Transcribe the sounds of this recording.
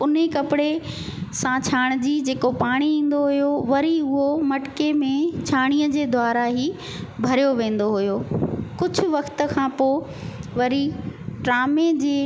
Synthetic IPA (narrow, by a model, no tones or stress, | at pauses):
ʊnɦekɐpɪɽe | sãt͡ɕʰaːɽ̃d͡ʑiːd͡ʑeːkopaːɽ̃iĩːn̆d̪oɦʊjoʋɐɾiʊɦomɐʈkemẽt͡ɕʰaːɽ̃ijəd͡ʑeːd̪ʱwaːɾaɦiː | bʱɐɾijoʋẽːn̆d̪oɦʊjoːkʊd͡ʑʱʊ̆ʋɐkt̪ə̆kʰãːpoːɪ | ʋɐɾiʈɾaːmed͡ʑeː